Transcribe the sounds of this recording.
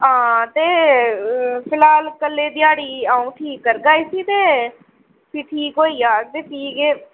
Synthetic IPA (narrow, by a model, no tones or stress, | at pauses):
ɦãːt̪eː | pʰɪlaːlkəlːeːd̪ɪjaːɽiːãːũːʈʰiːkːəɾɡaːiːsiːt̪eː | piːʈʰiːkoːiːjaːd̪̚t̪eːtiːkeː